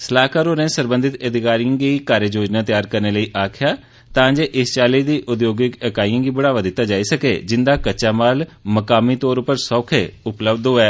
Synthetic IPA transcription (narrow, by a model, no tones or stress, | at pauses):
səlaːkaːɾoːɾɛ̃ːsəɾbə̃nd̪ɪt̪əd̪ɪkaːɾijãːɡiːkaːɾjəd͡ʒoːd͡ʒnaːt̪jaːɾkəɾneːləiːʔaːkʰɪjaː | t̪ãːd͡ʒeːʔɪst͡ʃaːliːd̪iːʔʊd̪joːɡɪkəkaːiːãːɡiːbəɽaːʋad̪ɪt̪ːaːd͡ʒaːiːsəkḛːd͡ʒɪnd̪aːkət͡ʃaːmaːlməkaːmĩːt̪ɔːɾʊpəɾsɔːkʰeːʊpləbd̪ɦoːɛː